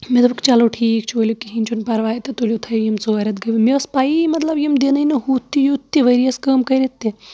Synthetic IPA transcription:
med̪ɐbɐkt͡ʃaːloʈʰiːk̚t͡ʃʰolʲukiɦint͡ʃʰunpɐɾʋaːjt̪et̪olʲjot̪ʰɐjjimt͡soːɐɾɐt̪ɡɐʋmiɐspaːimɐt̪lɐbjimd̪enɐinɐɦuːt̪ʰːijut̪ːiʋɐɾiɐskəːmkɐjɾet̪ːe

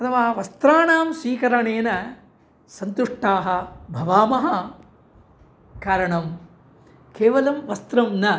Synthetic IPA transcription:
ɐt̪ʰɐʋaːɦɐʋɐst̪ɾaːɳaːmsʋiːkɐɾɐɳeːnɐ | sɐnt̪uʂʈaːɦɐ̆bʱɐʋaːmɐɦɐ | kaːɾɐɳɐm | keːʋɐlɐmʋɐst̪ɾɐmnɐ

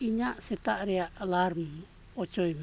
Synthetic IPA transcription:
iɲaʔset̪aʔɾialaɾm | ot͡ʃoim

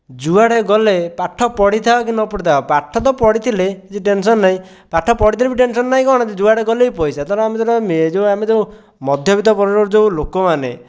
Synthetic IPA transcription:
d͡ʒuaɽeɡɔlepaʈʰːɔpɔɽit̪ʰaɔk̬inɔpɔɽit̪ʰaɔpaʈʰːɔt̪̬ɔpɔɽit̪ʰiled͡ʒiʈensɔnːaĩ | paʈʰːɔpɔɽit̪ʰilebiʈ̬ensɔnːaɦĩkɔɦɽ̃d͡ʒed͡ʒuaɽeɡɔlejpɔjsat̪ɔɾɔamet̪ɔɾɔmed͡ʒeuamed͡ʒeũ | mɔd̪ʱjɔbit̪̬ɔpɔɾɔɾoɾd͡ʒewlokɔmanḛ

